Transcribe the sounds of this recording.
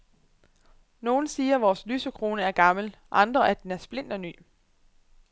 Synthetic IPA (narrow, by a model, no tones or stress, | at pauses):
no̝ːn̩siːɐʋɒːslyːsəkʰʁo̝ːnəæɐɡ̥ɑ̈ml̩ʔɑ̈nd̥ʁɐʔæd̥enæɐsb̥le̝n̰d̥ɒ̽ny̰ː